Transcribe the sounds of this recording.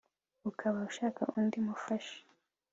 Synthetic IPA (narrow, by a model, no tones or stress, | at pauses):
ukʰaβauʃaːka̰ʔundimufaʃe̥